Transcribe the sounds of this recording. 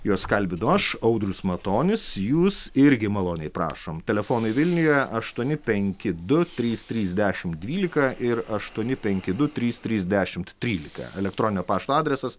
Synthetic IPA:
joɔsskɐlʲbʲɪd̪ʊɐʃɐʊd̪ɾʲʊsmɐt̪oːnʲɪsjuːsɪɾʲɡʲɪmɐlˠoːnʲɛɪpɾɑ̰ːʃoːmt̪ʲɛlʲɛfoːnɐɪʋʲɪlʲnʲʊjɛɐʃt̪uɔnʲɪpʲɛŋʲkʲɪd̪ʊt̪ʲɾʲiːst̪ʲɾʲiːzʲd̪ʲæːʃʲɪmt̪̚d̪ʲʋʲiːlʲɪkɐʔɪɾɐʃt̪uɔnʲɪpʲɛŋʲkʲɪd̪ʊt̪ʲɾʲiːst̪ʲɾʲiːzʲd̪ʲæːʃʲɪmt̪tʲɾʲiːlʲɪkɐ̰ɛlʲɛk̚t̪ɾoːnʲɪnʲoːpɑːʃt̪oːɑːd̪ʲɾʲɛsɐs

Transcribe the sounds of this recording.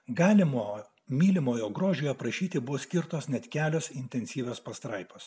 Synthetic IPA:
ɡɑːlʲɪmoː | mʲiːlʲɪmoːjoːɡɾoːʒʲoːjɛpɾɐʃʲiːt̪ʲɪbʊʋoːsʲkʲɪɾt̪oːsnʲɛt̪ʲkʲæːlʲoːsɪnʲt̪ʲɛnʲsʲiːʋʲoːspɐst̪ɾɐɪpoːs

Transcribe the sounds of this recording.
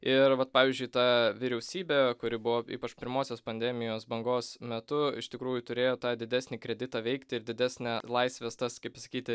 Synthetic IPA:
ɪɾʋɐt̪̚pɑːʋʲiːzʲd͡ʒʲʊɪt̪ɑʋʲɪɾʲɛʊsʲiːbʲekʊɾʲɪbʊʋoːḭːpɐt͡ʃpʲɪɾmoːsʲoːspɐnʲd̪ʲɛmʲɪjoːsbɐŋɡoːsmʲɛt̪ʊɪ̰ʃt̪ʲɪkɾuːjʊt̪ʊɾʲeːjoːt̪ɑːd̪ʲɪd̪ʲæsʲnʲiːkɾʲɛd̪ʲɪt̪ɑːʋʲɛɪkt̪ʲɪɪɾd̪ʲɪd̪ʲæsʲnʲɛlˠɐɪsʲʋʲɛst̪ɐskɐɪpsɐkʲiːt̪ʲɪ

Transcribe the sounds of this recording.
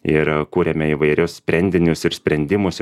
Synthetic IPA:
ɪɾkuːɾʲɛmʲɛiʋɐɪɾʲʊssʲpʲɾʲɛnʲd̪ʲɪnʲʊsɪɾsʲpʲɾʲɛnʲd̪ʲɪmʊs

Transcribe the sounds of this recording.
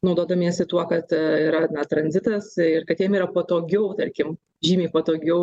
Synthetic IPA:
nɐʊd̪oːd̪ɐmʲiɛsɪt̪uɔkɐt̪iːɾɐnɐt̪ɾɐnʲzʲɪt̪ɐsɪrkɐt̪jiɛmiːɾɐpoːt̪oːɡʲɛʊt̪ɐɾʲkʲɪm | ʒʲiːmʲeːpoːt̪oːɡʲɛʊ

